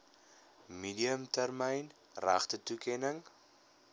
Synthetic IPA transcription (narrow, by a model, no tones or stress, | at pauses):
midiəmtærməjn | ra̰χtətukɛnəŋ